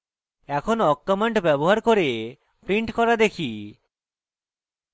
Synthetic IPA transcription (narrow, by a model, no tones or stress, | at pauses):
ɛkʰonɔkːamaɳʈbɛboɦaɾkoɾe | pɾiɳʈkɔɾad̪ekʰi